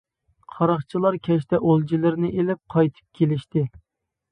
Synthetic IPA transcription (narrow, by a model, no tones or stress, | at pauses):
qʰɑɾɑχt͡ʃʰilˠɑɾkʲʰɛʃt̪ɛʔolˠd͡ʒilɪɾnɪʔelɪp̚qʰɑjt̪ʰɨ̥p̚kʲʰelɪʃt̪ɪ